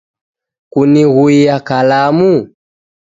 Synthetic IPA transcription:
kuniɣuijakalamu

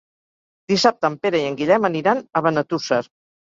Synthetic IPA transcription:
d̪isap̚t̪əːmpeɾəiəŋɡiʎɛməniɾanəβənət̪usəɾ

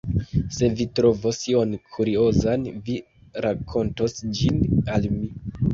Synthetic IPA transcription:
se̞vitɾo̞vosio̞nkʰuɾio̞zanvi | ɾakʰo̞nto̞sd͡ʒinalmi

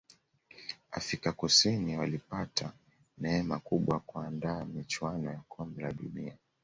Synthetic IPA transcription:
a̰fɾikakusiniwalipatʰa | nɛɛmakuɓwakuandaːmit͡ʃwanɔjakʰɔmbɛlaɗunia

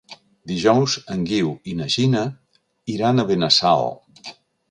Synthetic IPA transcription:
d̪iʒɔwzəŋɡiwinəʒinə | iɾanəβenəsa̰lˠ

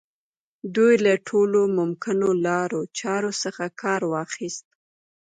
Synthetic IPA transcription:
d̪ujlaʈʰolomʊmkɪnolɑɾot͡ʃɑɾosəxakʰɑɾwɑxist̪̚

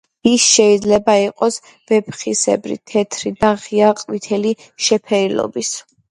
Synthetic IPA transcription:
isʃɛid̪zlɛbaiqʼɔs | v̥ɛpʰχisɛ̰bɾḭt̪ʰɛt̪ʰɾid̪aʁiaqʼwit̪ʰɛli | ʃɛpʰɛɾilɔ̰bis

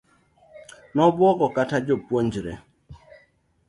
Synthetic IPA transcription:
nɔbwɔkɔkatad͡ʒopwoɲd͡ʒɾɛ̰

